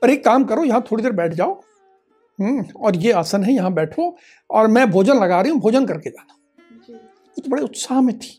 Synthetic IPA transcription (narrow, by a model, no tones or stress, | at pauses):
pɐɾeːkːaːmkɐɾojɐɦãt̪ʰoːɽid̪eːɾbɛːʈʰd͡ʒaːo | ɦɔːɾjeaːsənɦɛjɐɦãbɛːʈʰo | ɔːɾmɛ̃bʱoːd͡ʒənlɐɡaːɾɐɦiɦũbʱoːd͡ʒənkɐɾked͡ʒaːd̪a | ʊt̪bɐɽeʊt̪saːɦmẽt̪ʰi̥ː